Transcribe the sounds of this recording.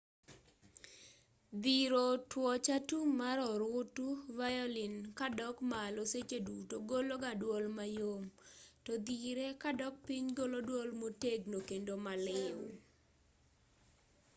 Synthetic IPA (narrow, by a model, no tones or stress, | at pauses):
d̪iɾotwɔt͡ʃatumaɾɔɾʊtuvajɔlinkadɔkmaloset͡ʃedutoɡoloɡadwɔlmajomtɔd̪iɾekadɔk̚piɲɡolodwɔlmoteɡnokendomalɪw